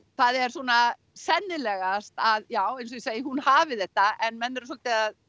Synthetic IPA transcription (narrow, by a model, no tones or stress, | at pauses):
θaðɛɾ̥suɔːna | sɛnːɪlɛɣast̪aðjaːwejns̬ɔiseːjɪhunhaːvɪθɛht̪ːaʔɛnmɛnːɛɾs̬ɔlt̪ɪað